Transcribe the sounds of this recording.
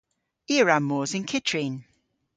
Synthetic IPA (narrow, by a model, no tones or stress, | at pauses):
iəɹamːɔːzɪnkʰɪtʰɹin